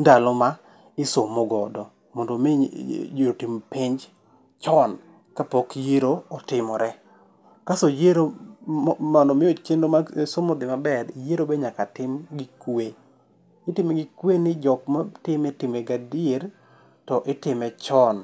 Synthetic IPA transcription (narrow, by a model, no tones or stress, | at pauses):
ndalɔma | ɪsomoɡɔdɔ | mɔndomjeɾotɪmpɪɲd͡ʒ | t͡ʃɔn | kapɔkjeɾoɔtɪmɔɾɛ | kasojeɾo | mɔndɔmɪot͡ʃendomasomodɪmabɛɾjeɾobeɲakatɪmɡɪkwe | ɪtɪmeɡɪkwenɪd͡ʒɔkmatɪmetɪmeɡadieɾ | tɔʔɪtɪmɛt͡ʃɔn